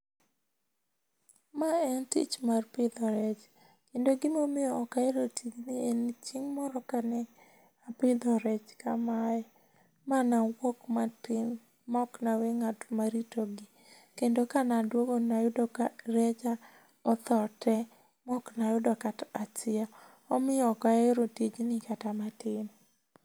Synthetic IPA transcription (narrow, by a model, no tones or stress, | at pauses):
maɛntḭt͡ʃmarpɪd̪ɔɾɛt͡ʃ | kendoɡɪmomioːkaeɾotʰid͡ʒnient͡ʃiŋmɔɾɔkanɛ | apɪd̪ɔɾɛt͡ʃkamaɛ | manawokmatɪn | mɔknaweŋatmaɾitoɡɪ | kendokanadwoɡonajʊdɔkaɾɛt͡ʃa | ɔt̪ɔtɛ | mɔknajʊdɔkatat͡ʃɪa | ɔmɪjɔkaeɾotid͡ʒnɪkatamatɪn